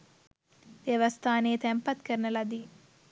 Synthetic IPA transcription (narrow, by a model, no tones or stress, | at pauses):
ʋjɐʋɐst̪ʰaːneːt̪ɛmpɐt̪kɐɾnɐlɐd̪i